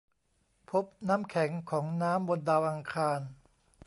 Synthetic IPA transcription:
pʰo˦˥p̚naː˦˥mkʰɛ˩˦ŋkʰɔː˩˦ŋnaː˦˥mbo˧ndaː˧wʔa˧ŋkʰaː˧n

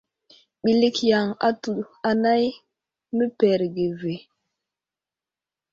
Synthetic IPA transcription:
ɓi˨li˦kja˨ŋa̰˦tu˨a˨na˦j | mə˦pɛ˨ɾɡe˨ve˨

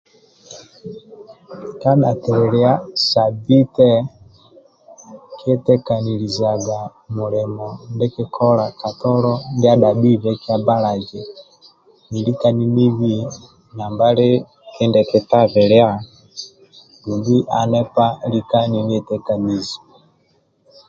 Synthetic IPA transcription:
ka˦na˨tɛ˨ɾɛ˨lɛ˦a˦sa˨bi˦tɛ˦ | ki˦ɛ˦tɛ˦ka˨ni˨li˨za˨ɡa˨mu˨lɛ˨mɔ˨nde˦ke˦kʰɔ˦la˨ka˨tɔ˦lɔ˦ndja˦da˨bi˦βɛ˦ki˦a˦ba˦la˨d͡ʒɛ˨ | ni˨li˦ka˦ni˦ni˦βi˦ | na˨mba˦le˦ | ɛ˦ndɛ˨kɛ˨ta˦βɛ˨lɛ˦a˦ | du˨mbi˦ʔa˨nɛ˦pa˦li˦ka˦ni˨ni˦ɛ˨tɛ˦ka˨ni˨zi̥˨

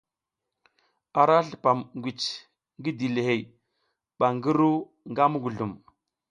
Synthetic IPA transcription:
a˨ɾa˦ɬi˨pa˨mŋɡʷi˨t͡ʃ | ŋɡi˦di˨le˨ɦe˨j | ɓa˨ŋɡi˦ɾu˦ | ŋɡa˦mu˦ɡu˨ɮu˨m

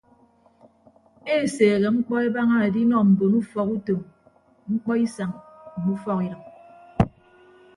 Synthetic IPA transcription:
e˦˨seː˨ɣe˨ŋ͡m̩˦k͡pɔ˦e˦ba˦ŋa˦e˨di˦nɔ˨m̩˨bo˨nu˦fɔ˨ku˦to˨m | ŋ͡m̩˦k͡pɔ˦i˦sa˨ŋ̩˨nu˦fɔ˦ki˨ɾɨ˨ŋ̚

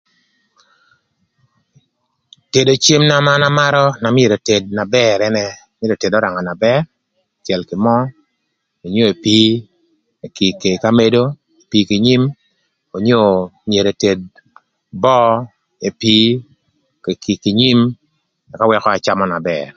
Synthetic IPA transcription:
te˨do˨t͡ʃe˦mna˨˦ma˦na˦ma˦ɾɔ˦na˨mje˨ɾo˨te˨d̚na˨bɛ˦ɾɛ˦nɛ˦ | me˦ɾo˨te˨dɔ˦ɾa˨ŋa˨na˨bɛ˦ɾ | t͡ʃjɛ˨lkɪ˨mɔ˦ | o˨ɲo˦e˨pi˦˨ | ki˨ke˨ka˦me˦do˦ | e˨pi˦ki˨ɲi˦m | o˨ɲo˦mje˨ɾe˨te˨d̚ | bɔ˦ | e˨pi˦ | ke˨ki˨kɪ˨ɲi˦m | a˨ka˦wɛ˦kɔ˦a˨t͡ʃa˦mɔ˦na˨bɛ̰r

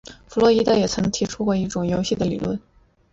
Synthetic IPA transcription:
fu˨˩lwɔ˥˧i˥d̪ə˥˩jɛ˨˩t͡sʰa˧˥ɪnɤ˧˥ŋt̪ʰi˧˥ʈ͡ʂʰu˥kwɔ˥˧i˥˩ʈ͡ʂʊ˨˩ŋjo˧˥ʊɕi˥˩d̪ə˩lḭ˨˩lwə̰˥˩n

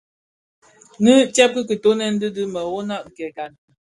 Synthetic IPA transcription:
nɨ˦t͡ʃɛ˦p̚kə˦kə˨to˦nɛ˦n̩˦dɨ˦dɨ˦mə˨wo˦na˦˨ʔkɛ˨ka˨n˨

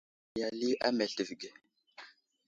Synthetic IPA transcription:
ja˨li˦ʔa˦me˨ɬə˨vɡe˨

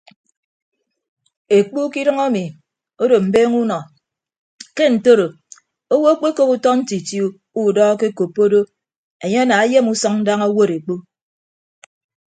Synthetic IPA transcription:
e˨k͡pu˦ki˦ɾʌ˦ŋa˦mi˨ | o˦do˨m̩˨beː˦ŋu˦nɔ˨ | ke˦n̩˨to˦ɾo˨ | o˦wo˦o˦k͡pe˦ko˦ku˦tɔ˦n̩˦ti˨tju˦ | u˦˨dɔː˦ke˦ko˨pːo˦do˦ | e˨ɲe˦ɔ˦na˨a˦je˦mu˦sɔ˦ŋn̩˦da˦ŋa˦wo˦ɾe˨k͡pu˦

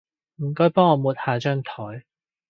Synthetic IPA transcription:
m̩˨˩kɔː˨˥jpɔː˥ŋɔː˨˧muː˨˩t̚haː˨˧t͡ʃœː˥ŋt̪ʰɔː˨˥j

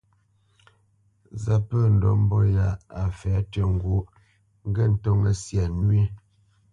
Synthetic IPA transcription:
za˦pə˦˨n̩˨dɔ̰˨m̩˦bɔ˦ja˨˦a˨fɛ˨˦tə˦˨ŋ̩˦ɡwo˦ | ŋ˦ɡə˦˨n̩˦tɔ˦ŋə˨sja˨nwi˦

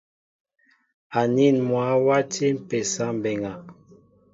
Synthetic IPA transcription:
a˨ni˦˨nmwa˨˦wa˦te˦m̩˨pɛ˨sa˦m˨bɛ˨ŋa˨

